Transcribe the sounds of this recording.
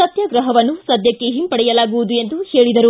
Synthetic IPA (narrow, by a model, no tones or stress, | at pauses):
ɐt̪jɐɡɾɐɦɐʋɐnːusɐd̪jɐkːeɦimpɐɽɛjɐlaːɡuʋud̪ue̞nd̪uhe̞ːɭid̪ɐɾu